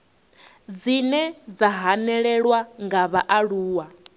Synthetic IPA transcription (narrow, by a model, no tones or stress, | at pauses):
d͡zinɛd͡zaɦanɛɺɛɺwaŋɡaβaʔaɺuːwa